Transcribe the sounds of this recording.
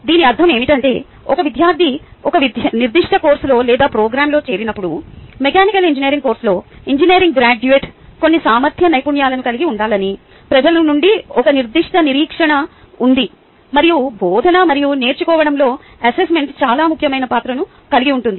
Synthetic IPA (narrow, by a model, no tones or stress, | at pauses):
d̪iːniɐɾd̪ʱːɐme̞ːmiʈɐɳʈe̞ː | ɔkɐʋid̪ʱjaːɾd̪ʱiɔkɐʋid̪niɾd̪iʂʈɐko̞ːɾslo̞ːlɛːd̪aːpɾoːɡɾaːmlo̞ːt͡ʃe̞ːɾinɐpːuɽumekaːnikɐliɲd͡ʒinijɐɾiŋko̞ːɾsloːiɲd͡ʒinijːɾiŋɡ̚ɡɾaːd͡ʒueːʈko̞nːisaːmɐɾt̪ʰjɐnɐjpuɳjaːlɐnukɐliɡiuɳɖaːlɐni | pɾɐd͡ʒɐlɐnuɳɖiɔkɐniɾd̪iʂʈɐniɾiːkʂɐɳɐ | und̪i | mɐɾijubʱɔːd̪ʱɐnɐmɐɾijune̞ːɾt͡ʃukɔːʋɐɽɐmlo̞ː | ɐsesme̞ɳʈst͡ʃaːlaːmukʰjɐmɐjnɐpaːt̪ɾɐnu | kɐliɡiuɳʈund̪i